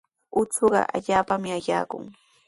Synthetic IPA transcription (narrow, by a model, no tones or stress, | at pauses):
ʊt͡soɢɑ̰ʔa̰ʎaːpamɪajaːkʊ̰ŋ